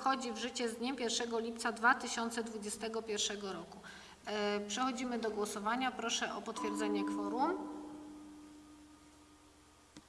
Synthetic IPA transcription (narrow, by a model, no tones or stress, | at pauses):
xɔd͡ʑivʐɘt͡ɕɛzd̪ɲɛmpʲjɛɾfʂɛɡɔlʲip̚t̪sad̪vat̪ɘɕɔnt̪sɛd̪vud͡ʑɛst̪ɛɡɔpʲjɛɾfʂɛɡɔɾɔku | pʂɛxɔd͡ʑimɘd̪ɔɡwɔsɔvaɲapɾɔʂɛʔɔpɔt̪fʲjɛɾd̪zɛɲɛkfɔɾum